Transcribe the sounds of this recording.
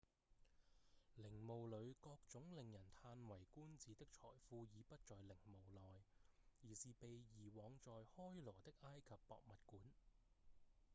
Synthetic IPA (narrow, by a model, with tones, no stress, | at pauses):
lɪ˨˩ŋmo˨wlɵ˨˧ɥkɔː˧k̚t͡sʊ˨˥ŋlɪ˨ŋjɐ˨˩nt̪ʰaː˧nwɐ˨˩jkuː˥nt͡siː˨t̪ɪ˥k̚t͡ʃʰɔ̰ː˨˩jfuː˧jiː˨˧pɐ˥t̚t͡sɔː˨jlɪ˨˩ŋmo˨wlɔː˨˩jjiː˨˩siː˨pe˨jjiː˨˩wɔː˨˧ŋt͡sɔː˨jhɔː˥jlɔː˨˩t̪ɪ˥k̚ʔaː˥jkʰɐ˨pːɔ̰ː˨k̚mɐ˨t̚kuː˨˥n